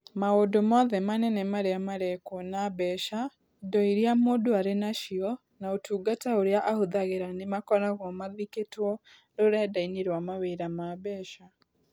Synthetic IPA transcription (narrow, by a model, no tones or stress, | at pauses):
maodomaðɛmanɛnɛmaɾeamaɾɛkonabɛʃa | idɔiɾiamodoaɾenaʃiɔ | naotʰuːɡataoɾeaʔahoðaɣeɾanemakɔɾaɣɔmaðiketwɔ | ɾoɾɛdaineɾwamaweɾamabɛʃa